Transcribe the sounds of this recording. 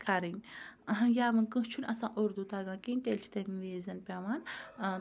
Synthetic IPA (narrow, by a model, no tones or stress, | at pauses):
kʰaɾinʲɐɦjaːmɨnkɨ̃ɦt͡ʃʰunʲɐsãːʔoɾd̪ut̪aːɡãːkinʲt̪elt͡ʃʰi̥t̪emiʋeːzɐnpʲaman